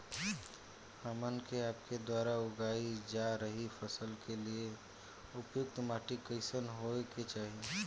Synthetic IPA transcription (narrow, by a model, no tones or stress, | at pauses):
aːmənkeaːp̚ked̪waːɾaʊɡaːid͡ʒaːɾəɦifəsəlkelie | ʊpjʊkt̪maːʈikəɪsənɦoket͡ʃaːɦie